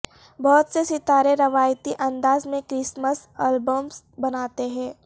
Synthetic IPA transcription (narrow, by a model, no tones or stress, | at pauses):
bɔːt̪sesɪt̪aːɾeɾɐʋaːjt̪iʔɐ̃nd̪aːzmẽkɾɪsməsɛːlbəms | bɐnaːt̪eɦɛ̃ː